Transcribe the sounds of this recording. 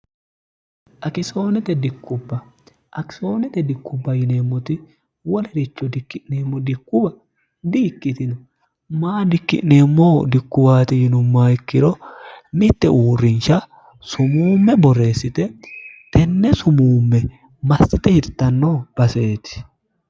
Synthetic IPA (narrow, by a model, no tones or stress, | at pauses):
ʔɐkɪso̞ːnɛt̪ɛd̪ɪkːʊbːɐ | ʔɐkɪ̥so̞ːnɛt̪ɛd̪ɪkːʊbːɐjɪne̞ːmːɔt̪ɪ | wɔlɛdɪt͡ʃːɔd̪ɪkːɪʔneːmːɔd̪ɪkːʊbɐ | d̪iːkːɪt̪ɪnʊ | maːd̪ɪkːɪ̰ʔne̞ːmːod̪ɪkːʊbaːt̪ɪjɪnʊmːaːɪkːɪɾɔnɪt̪ːɛʔuːrːɪnʃɐ | sʊmuːmːɛbɔrːe̞ːsːɪt̪ɛt̪ɛnːɛsʊmuːmːɛ | mɐsɪt̪ɛhɪt̪ːɐnːoːb̥ɐse̞ːt̪ɪ̥